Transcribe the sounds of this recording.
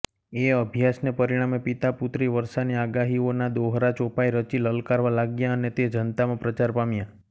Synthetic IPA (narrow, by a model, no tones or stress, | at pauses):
eəbʱjasnepəɾiɽ̃amepit̪aput̪ɾiʋəɾʃaniaɡaɦionad̪oɦɾat͡ʃopajɾət͡ʃiləlkaɾʋalaɡjãənet̪ed͡ʒənt̪amãpɾət͡ʃaɾpamjã